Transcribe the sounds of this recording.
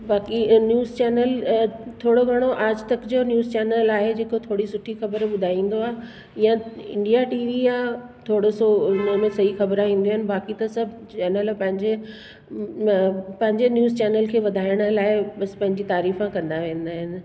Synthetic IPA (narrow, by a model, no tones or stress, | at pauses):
baːkinjuːzt͡ɕɛːnəlt̪ʰoːɽoɡʱɐɽ̃oʔaːd͡ʑt̪ɐkd͡ʑonjuːzt͡ɕɛːnəlaːɦed͡ʑeːkot̪ʰoːɽisʊʈʰixɐbəɾɓʊd̪ʱaːĩːn̆d̪oaːɦe | ijãɪ̰̃ɳɖijaʈiːʋiat̪ʰoːɽosoʊnəmẽsɐixɐbəɾaːɦĩːnd̪iaːɦɪ̃nɪ̆baːkit̪ɐsɐbʱ | t͡ɕɛːnəlpɐ̃ɦɪ̃ɲd͡ʑe | pɐ̃ɦɪ̃ɲd͡ʑenjuːzt͡ɕɛːnəlkʰeːʋɐd̪ʱaːɪɽ̃əlaːɪɓɐspɐ̃ɦɪ̃ɲd͡ʑit̪aːɾiːfãkɐ̃nd̪aʋẽːnd̪aːɦɪnɪ̆